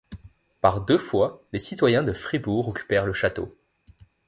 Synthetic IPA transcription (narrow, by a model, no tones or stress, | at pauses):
paʁd̪øfwalesit̪wajɛ̃d̪əfχibuʁɔkʲʰy̥pɛʁləʃat̪o̰